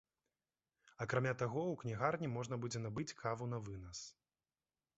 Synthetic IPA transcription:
ɐkɾamʲat̪aɣɔwknʲiɣarnʲimɔʐn̪ɐbud͡zʲɛnabɨt͡sʲkʰavun̪ɐvɨnɐs

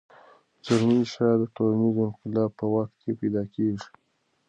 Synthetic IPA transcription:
zaɾniʃɑd̪əʈolanizoɪmqɪlɑb̚pəwaxt̪̚kʰepajd̪ɑkeʐi̥

